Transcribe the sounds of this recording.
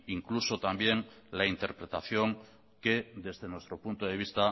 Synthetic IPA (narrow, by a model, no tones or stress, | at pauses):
iŋkluso̞t̪ambje̞ŋlaint̪e̞ɾpɾe̞t̪aθjo̞ŋ | ke̞d̪e̞zðe̞nwe̞st̪ɾo̞punt̪oðe̞β̞ist̪a